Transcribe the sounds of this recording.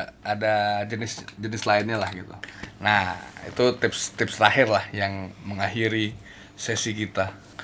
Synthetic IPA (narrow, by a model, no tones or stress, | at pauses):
adad͡ʒənɪsd͡ʒənɪslaɪnɲalahɡit̪ṵnahḭt̪ut̪ɪpst̪ɪpsɾahɪrlahjaŋməŋaɦiɾi | sɛsikit̪a